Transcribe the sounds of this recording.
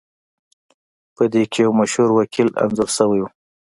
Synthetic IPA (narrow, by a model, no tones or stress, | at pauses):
pəd̪ekejawmaʃhuɾwakʰila̰nzʊɾsəwaju